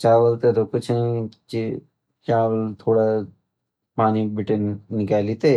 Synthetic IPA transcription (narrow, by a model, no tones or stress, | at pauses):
t͡ʃaːʋəlt̪ed̪okʊt͡ʃʰt͡ʃi | t͡ʃaːʋəlt̪ʰoːɽa | paːnibɪʈənːɪkaːlit̪eː